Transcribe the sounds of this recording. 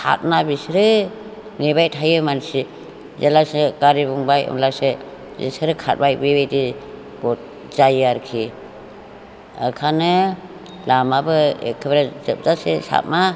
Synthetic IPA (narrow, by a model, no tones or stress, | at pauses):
kʰa̰t̚nabisɾɯ | nebajtʰajɯmansi | zalasɯɡaɾibuŋbajɯ̰mlasɯ | zḭsɯɾɯkʰa̰t̚bajbebejdi | b̥ɔt̚ | zajaɾkʰi | ɯ̰kʰanɯ | lamabɯḛkʰɯbɾazɯp̚zasesa̰t̚ma